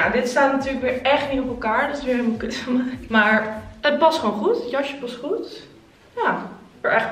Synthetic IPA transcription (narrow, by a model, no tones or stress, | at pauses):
jadɪtstaːtnatyːɹləkʋɪːɹɛχtnitopɛlˠkaːɹdɔtɪsʋɪːɹɦelmɔlˠkøtəmakmaːɹət̚pɑstχʋownχutjɑʃəpɑstχut | japəɹɛχ